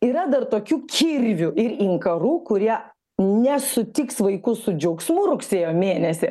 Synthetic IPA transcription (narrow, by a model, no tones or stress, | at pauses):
iːɾɐd̪ɐrt̪oːkʲuːkʲʰirʲʋʲʊʔɪɾiŋkɐɾuːkʊɾʲiɛ | nʲɛsʊt̪ʲɪksʋɐɪkʊsʊd͡ʒʲɐʊksmʊɾʊksʲeːjoːmʲeːnʲɛsʲɪ